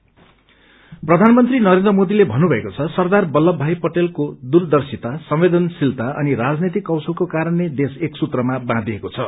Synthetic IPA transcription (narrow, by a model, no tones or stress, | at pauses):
prʌd̪ʱanmʌnt̪rinʌɾend̪ɾrʌmod̪ilebʱʌnːubʱʌekot͡sʰʌsʌrd̪arbʌlːʌbʱajpʌʈelkod̪urd̪ʌrsit̪asʌmwed̪ʌnsilt̪aʔʌ̰niɾad͡znet̪̬ikːʌwsʌlkokaɾʌnːed̪eseksut̪rʌmabãd̪ʱiekot͡sʰʌ